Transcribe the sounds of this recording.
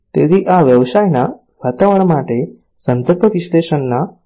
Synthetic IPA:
t̪eɾiʔaʋjəʋsajna | ʋat̪əʋəɳmaʈe | sənd̪əɾpəʋiɕleɕənːa

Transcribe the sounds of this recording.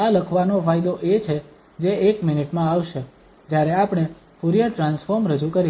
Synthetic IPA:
aləkʰʋanofajd̪oʔet͡ʃʰe | d͡ʒeːkmɪniʈmãaʋʃe | d͡ʒjaɾeapɽ̃e | fuɾijəʈɾãnsfoɾmɾəd͡ʒukəɾi

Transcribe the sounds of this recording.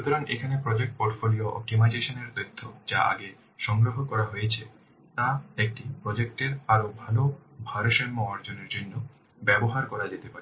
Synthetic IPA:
ʃut̪oɾaŋʔekʰanepɾɔd͡ʑek̚ʈ̚poɾʈfolioʔo̰ʈimajd͡ʑeʃoneɾt̪ojt̪ʰːod͡ʑaa̰ɡe | ʃɔŋɡɾoɦokɔɾaɦojet͡ɕʰe | t̪aek̚ʈipɾɔd͡ʑek̚ʈeɾaɾobʱalobʱaɾoʃenmɔaɾd͡ʑoneɾd͡ʑonːo | bɛboɦaɾkɔɾad͡ʑet̪epaɾe

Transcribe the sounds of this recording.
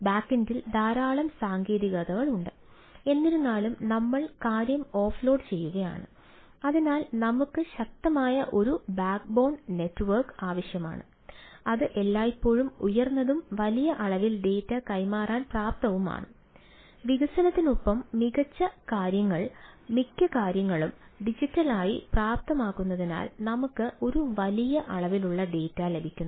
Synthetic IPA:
baːkːendild̪aːɾaːɭɐmsaːŋɡeːðiɣɐðɐɣɐɭuɳɖɨ | e̞nːiɾunːaːlumnɐmːɐɭkaːɾjɐmo̞ːfɭo̞ːɖt͡ɕe̞jːuɣɐja̰ːɳɨ̰ | ɐðinaːlnɐmukːɨɕɐk̚t̪ɐmaːjɐʔo̞ɾubaːk̚bo̞ːɳɖne̞tːɨʋɐrkaːʋɐɕjɐma̰ːɳɨ̰ | ɐðɨʔe̞lːaːjipːo̞ːɻumujɐrnːɐðumʋɐlijɐʔɐɭɐʋilɖe̞ːtːɐkɐjmaːraːnpraːp̚t̪ɐʋuma̰ːɳɨ̰ | ʋiɣɐsɐnɐt̪ːinupːɐmːiɣɐt͡ɕːɐkaːɾjɐŋːɐɭmikʲːɐkaːɾjɐŋːɐɭumɖid͡ʑitːɐlaːjḭpraːp̚t̪ɐmaːkːunːɐðina̰ːlnɐmukːɨʔo̞ɾuʋɐlijɐʔɐɭɐʋiluɭːɐɖe̞ːtːale̞bʱikʲːunːɐ

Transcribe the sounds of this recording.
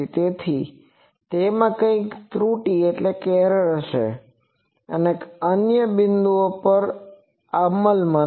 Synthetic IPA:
it̪et̪ʰi | t̪emãkə̃ĩkt̪ɾuʈieʈlekɛɾəɾəʃḛ | ə̰neənjəbɪnd̪uopəɾ | aməlmã

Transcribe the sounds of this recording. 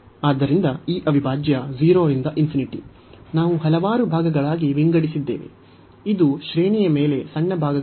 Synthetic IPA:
aːd̪ːɐɾind̪ɐiːʔɐʋʱibʱaːd͡ʒjɐd͡ʒiːɾoːɾind̪ɐʔimfʰiniʈḭ | naːʋuɦɐlɐʋaːɾubʱaːɡɐɡɐɭaːɡiʋiŋɡɐɽisid̪ːe̞̰ːʋḛ | id̪uʃɾeːnijɐme̞ːle̞sɐɳːɐbʱaːɡɐ

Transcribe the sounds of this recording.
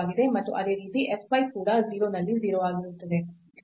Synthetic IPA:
ɡid̪e̞mɐt̪ːṵʔɐd̪e̞ːɾiːt̪iʔepʰːʋɐjkuːɾɐziːɾo̞ːnɐlːiziːɾoʋaːɡiɾut̪ːɐd̪e̞

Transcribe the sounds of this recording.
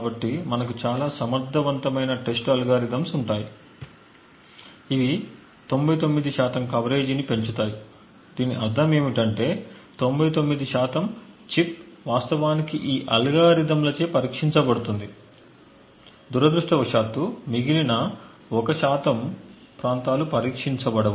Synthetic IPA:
abɐʈːimɐnɐk̬ut͡ʃaːlaːsɐmɐɾd̪ʱːɐʋɐnt̪ɐmɐjnɐʈe̞sʈɐluɡaːɾid̪ɐmsuɳʈaːji | iʋi | t̪o̞mbɐjt̪o̞mːid̪iʃaːt̪ɐmkɐʋɐɾe̞ːd͡ʒinipe̞ɲt͡ʃut̪aːji | d̪̥iːniʔɐɾd̪ʱɐme̞ːmiʈɐɳʈe̞ːt̪o̞mbɐjt̪omːid̪iʃaːt̪ɐmt͡ʃip̚ʋaːst̪ɐʋaːnikiʔiːʔɐlɡaːɾid̪ɐmlɐt͡ʃeːpɐɾiːkʂiɲt͡ʃɐbɐɽut̪und̪i | d̪uɾɐd̪ɾuʂʈɐʋɐʂaːt̪ːumiɡilinɐ | ɔkɐʃaːt̪ɐm | pɾaːnt̪aːlupɐɾiːkʂiɲt͡ʃɐbɐɽɐʋu

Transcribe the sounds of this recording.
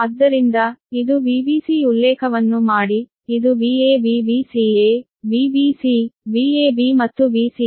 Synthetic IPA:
ɐd̪ːɐɾind̪ɐid̪ubiːbiːsiulːɛːkʰɐʋɐnːumaːɽi | id̪uʋieːbiːbiːsiːeː | biːbiːsibiːeːbimɐt̪ːuʋiːsi

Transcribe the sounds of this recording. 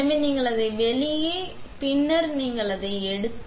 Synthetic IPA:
ɐmeniːŋɡɐɭɐðɐɪʋɛɭɪjeːpɪnːɐɾniːŋɡɐɭɐðɐɪɛɽɯt̪ː

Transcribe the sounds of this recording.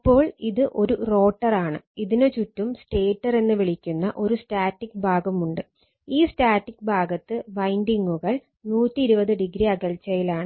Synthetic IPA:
ɐpːo̞ːɭiðɨʔo̞ɾuro̞ːʈːɐraːɳɨ̰iðinet͡ɕutːumsʈe̞ːʈːɐre̞nːɨʋiɭikʲːunːɐʔo̞ɾustaːtːikbʱaːɡɐmuɳɖɨ | iːstaːtːikbʱaːɡɐt̪ːɨʋɐjndiŋɡuɣɐɭ | nuːtːiːɾubɐðɨɖiɡɾiɐɡɐlt͡ɕːɐjilaːɳɨ

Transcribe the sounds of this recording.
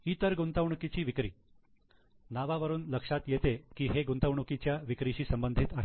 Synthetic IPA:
iːt̪əɾɡunt̪əʋɳukit͡ɕiːʋikɾḭː | naʋaʋəɾuːnləkʂat̪jet̪ekiːɦeɡunt̪əʋɳukit͡ɕjaʋikɾit͡ɕiːsəmbənd̪ʱit̪aɦe

